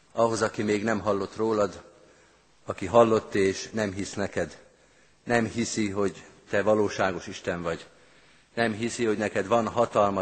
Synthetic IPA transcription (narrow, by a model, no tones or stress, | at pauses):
ɒɦo̞zɒkimeːɡnɛmɦɒlːo̞t̪roːlɒd̪ | ɒkiɦɒlːo̞t̪ːeːʃnɛmɦisnɛkɛd̪ | nɛmhisiɦo̞ɟt̪ɛvɒloːʃaːɡo̞ʃiʃt̪ɛɱvɒɟ | nɛmɦisiho̞ɟnɛkɛd̪ʋɒnɦɒt̪ɒlmɒ